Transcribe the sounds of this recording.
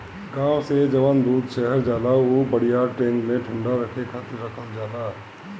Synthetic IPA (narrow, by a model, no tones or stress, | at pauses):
ɡãːwsed͡ʒəʋənd̪uːd̪ʃɛɦəɾd͡ʒaːlaobəɽ̤ijaʈɾẽːnmẽʈʰʊɳɖaɾəkʰekʰaːt̪ɪɾːəkʰəld͡ʒaːla